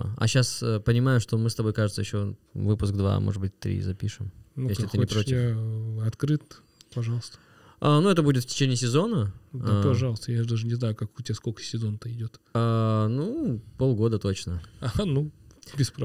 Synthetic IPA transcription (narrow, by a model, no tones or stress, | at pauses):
ɐ̰ɕːasəpənʲɪmajʊʂt̪o̞mɨst̪ɐbo̞jkaʐɨt̪səjɪɕːo̞vɨpʊsk̚d̪va̰mʔoʐɨd̪bɨt̚ʲt̪ːɾʲḭzɐpʲḭʂɨmnujeslɪt̪ɨnɪpɾotʲɪaɐt̪kɾɨt̪ | pɐʐɑlˠəst̪ə | anuɛt̪əbudʲɪt̪fʲtʲɪ̥t͡ɕenʲɪːsʲɪzo̞nədaɐʐɑlˠəst̪əjad̪aʐɨnʲɪznajʊkakʊtʲɪaskolʲkə̥sʲɪzont̪ɐɪdʲot̪anupo̞lˠɡo̞d̪ət̪o̞t͡ɕnəanubʲɪspɾ